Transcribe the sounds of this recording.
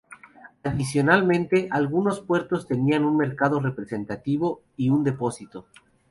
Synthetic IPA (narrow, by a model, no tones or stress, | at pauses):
aðisjo̞nalmẽ̞nt̪e̞ʔalɣuno̞spwe̞ɾt̪o̞st̪e̞nianunme̞ɾkaðo̞re̞pɾe̞se̞nt̪at̪iβo̞ | iund̪e̞po̞sit̪o̞